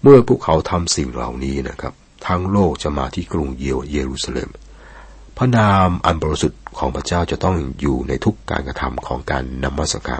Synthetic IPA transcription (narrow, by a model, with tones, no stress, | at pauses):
mɯ˥˩ɐpʰuː˥˩əkʰa˦˥wt̪ʰa˧msi˨˩ŋɾa̰˨˩wniː˦˥na˦˥kʰa˦˥p̚ | t̪ʰaː˦˥ŋloː˥˩k̚t͡ɕa˨˩maː˧t̪ʰiː˥˩kɾu˧ŋjjeː˧ɾuː˧saː˧lḛː˧m | pʰa˦˥naː˧mʔa˧nbɔː˧ɾi˧su˨˩t̪̚kʰɔː˩˦ŋpʰɾa˧˥t͡ɕaː˥˩wt͡ɕa˨˩t̪ɔ˥˩ŋjuː˨˩na˧jt̪ʰu˦˥kːa̰ː˧nkɾa˧t̪ʰa̰˧mkʰɔː˩˦ŋka̰ː˧nːa˧mːa˦˥t̪sa̰˧˩ka̰ː˧˩